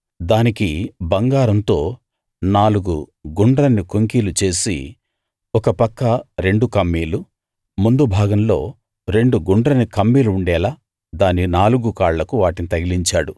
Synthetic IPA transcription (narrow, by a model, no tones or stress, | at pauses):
d̪aːnikibɐŋɡaːɾɐnt̪o̞ː | naːluɡuɡuɳɖɾɐnːikoŋkiːlut͡ʃe̞ːsḭ | ɔkɐpɐkːɐɾe̞ɳɖukɐmːiːlu | mund̪ubʱaːɡɐmlo̞ː | ɾe̞ɳɖuɡuɳɖɾɐnikɐmːiːluːɳɖɛːlaː | d̪aːninaːluɡukaːɭlɐkuʋaːʈinit̪ɐɡiliɲt͡ʃaːɽu